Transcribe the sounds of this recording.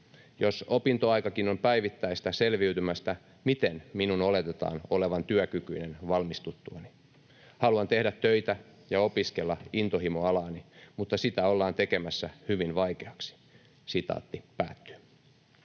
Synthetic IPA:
josopint̪oɑjkɑkinompæiʋit̪ːæist̪æselʋiyt̪ymæst̪æ | mit̪enminunole̞t̪et̪ɑ̰ːnoleʋɑnt̪yøkykyinenʋɑlmist̪ut̪ːuɑni | hɑluɑnt̪ehdæt̪ːøit̪æjɑo̞piske̞lːɑint̪ohimoɑlɑːnimut̪ːɑsit̪æolːɑːnt̪eke̞mæsːæhyʋinʋɑikeɑksi̥ | sit̪ɑ̰ːt̪ːipæ̰ːt̪ːy̥ø

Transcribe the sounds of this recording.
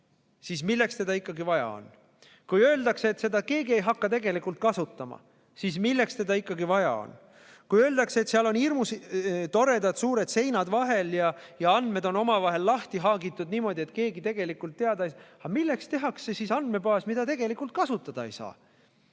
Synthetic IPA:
sismilːe̞kst̪e̞d̪ɑikˑːɑɡivɑjɑ̰o̰n | kujø̞ːld̪̥ɑkseet̪se̞d̪ɑke̞ːɡie̞jɦɑkːɑt̪e̞ɡe̞likult̪̚kɑsut̪ˑːɑmɑ̰ | siːsmilːe̞kst̪e̞d̪ɑikːˑɑɡivɑjɑ̰o̰n | kujøːld̪ɑkseet̪seɑlo̞nirmust̪o̞ɾe̞d̪̥ɑd̪̥suːɾe̞d̪̥se̞jnɑd̪vɑɦe̞ljɑjɑɑnd̪me̞d̪̥o̞no̞mɑvɑɦe̞lːɑht̪iɦɑːɡit̪ːˑud̪niːmo̞d̪̥ʲie̞t̪ːˑke̞ːɡit̪e̞ɡ̥e̞likːˑult̪ːeɑd̪̥ɑejsɑmilːekst̪e̞ɦɑksːesisɑnd̪me̞pɑːsmid̪̥ɑt̪e̞ɡ̥e̞likˑult̪̚kɑsut̪ːˑɑd̪̥ɑejsɑ̰ː

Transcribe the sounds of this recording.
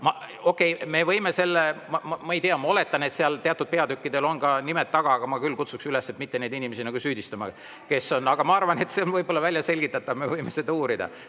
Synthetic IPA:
mɑo̞kːˑe̞jme̞vɤ̞jme̞se̞lːemɑmɑmɑejt̪eɑmɑo̞le̞t̪ˑːɑne̞t̪seɑlt̪eɑt̪ːˑud̪̥̚pe̞ɑd̪ykʲːid̪e̞lo̞nkɑnimet̪ːɑɡ̥ɑɑɡ̥ɑmɑkylːkut̪suksylesːe̞t̪mit̪ːe̞ne̞d̪inʲime̞sinɑɡ̥usyːd̪ist̪ɑmɑ̰ | ke̞sːo̞nːɑɡ̥ɑmɑɑrvɑne̞t̪se̞onvɤjbo̞lːɑvælʲjɑse̞lʲɡ̥it̪ːˑɑt̪ːˑɑvme̞vɤjme̞sed̪ɑuːɾid̪̥ɑ̰

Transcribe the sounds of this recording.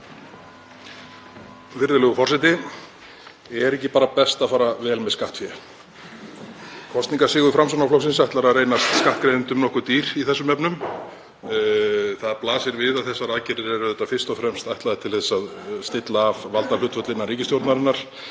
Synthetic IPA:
vɪɾðɪlœɣʏfɔr̥sɛjt̪ɪ | ɛɾɛhcɪpaːɾapɛst̪afaːɾavɛːlmɛðskaht̪fjɛ | kʰɔst̪niŋkasɪːɣʏfɾamsanaflɔws̬ɪnsajht̪laɾaðrejnast̪skaht̪kɾejvʏnt̪ʏmnɔhkʏt̪iːɾ̥iθɛsːʏmɛpnʏm | θaðplaːsɪɾvɪðaðθɛsːaɾaːðcɪɾɪɾɛɾʏθɛt̪afɪ̥st̪ɔfɾɛmst̪ajht̪laðɪt̪ʰɪlθɛsːaðst̪ɪt̪laːvvalt̪aɾlʏt̪fœt̪lɪnːaɾriːcɪst̪jowɾt̪naɾɪnːaɾ̥

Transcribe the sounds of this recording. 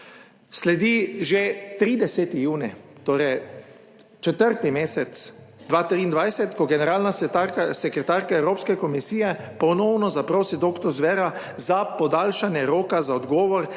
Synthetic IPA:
slɛd̪iʒet̪ɾiːd̪ɛsɛt̪ijuːnit̪oːɾɛj | t͡ʃɛt̪əɾt̪nimeːsɛt̪sd̪ʋaːt̪ɾiːnd̪ʋajsɛt̪kɔɡɛnɛɾaːlnat̪aɾkasɛkɾɛt̪aːɾkaɛwɾoːpskɛkɔmisiːjɛ | pɔnɔːwnɔzapɾoːsid̪oːkt̪ɔɾzʋɛɾa | zapɔd̪aːlʃanjɛɾoːkazaɔd̪ɡɔːʋɔɾ

